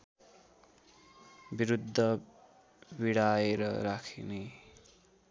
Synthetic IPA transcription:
biɾud̪ʱːʌ | biɽaeɾʌɾakʰine

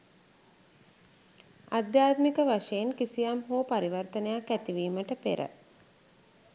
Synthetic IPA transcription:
a̰d̪jaːt̪mikəʋaʂejenkisijamɦoːpaɾiʋərt̪ənəjakːæt̪iʋiːməʈəpḛɾə̰

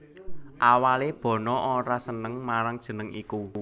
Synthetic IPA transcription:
ʔawaleb̥ɔ̤nɔʔoɾasənəŋmaɾaŋd̥ʒ̥ə̤nəŋiku

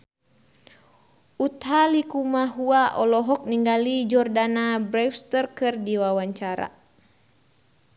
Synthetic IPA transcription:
ut̪ɦalikumaɦuaʔɔlɔɦɔk̚niŋɡalid͡ʒɔrdanabɾɛwst̪ərkɨrdiwawaɲt͡ʃaɾa̰

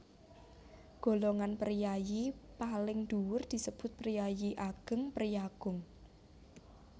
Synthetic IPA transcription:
ɡ̥o̤loŋanpərijajipalɪŋd̪̥uwʊrd̪̥i̤səb̥ʊ̤t̪̚pərijajiʔaɡ̥ə̤ŋpərjaɡ̥ʊŋ

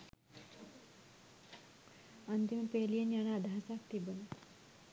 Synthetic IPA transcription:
ʌnt̪impelijʌnjʌñad̪ʱasakt̪ibʌn

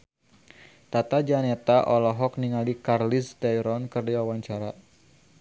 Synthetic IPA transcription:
t̪at̪ad͡ʒanet̪aʔɔlɔɦɔk̚niŋalikarlist̪ɛjɾɔnkərdiwawaɲt͡ʃaɾa

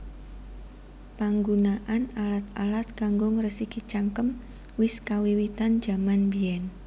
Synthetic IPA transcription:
paŋɡunaʔanalat̪̚alat̪̚kaŋɡʊŋɾəsikit͡ʃaŋkəm | wɪskawiwit̪and͡ʒ̥amanbiɛn

